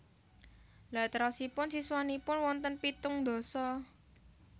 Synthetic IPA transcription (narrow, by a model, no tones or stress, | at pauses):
lat̪əɾɔsipʊnsiswanipʊnwɔnt̪ənpit̪ʊŋd̪o̤sɔ